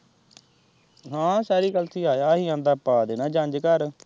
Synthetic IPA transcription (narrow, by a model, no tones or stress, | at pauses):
ɦãːsɛːɾiːɡəlt̪ʰiːaːjaːɦiːãːnd̪aːpaːd̪eːnãːd͡ʒə̃ɲd͡ʒkəɾ